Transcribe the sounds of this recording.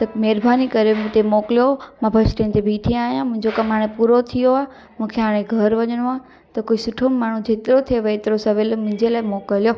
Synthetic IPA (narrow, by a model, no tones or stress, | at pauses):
t̪ɐmɛːɾbʱaːnikɐɾemũt̪emoːklijomãbʱɐʃʈẽnt̪ebʱiːʈʰiaːɦijãmʊ̃ɦɪ̃ɲd͡ʑokɐmɦaːɽ̃ẽpuːɾot̪ʰijoaː | mũːkʰeɦaːɽ̃eɡʱɐɾʋɐɲəɽ̃uã | t̪ɐkoːisʊʈʰomːaːɳ̤ũd͡ʑʱeːt̪ɪɾot̪ʰieʋɐet̪ɪɾosɐʋelmʊ̃ɦɪ̃ɲd͡ʑelaːɪmoːkəljo